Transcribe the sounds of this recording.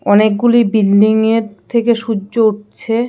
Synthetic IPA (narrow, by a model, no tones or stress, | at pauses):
ɔnek̚ɡulibilːiŋeɾt̪ʰekeʃud͡ʑouʈ̚ɕʰe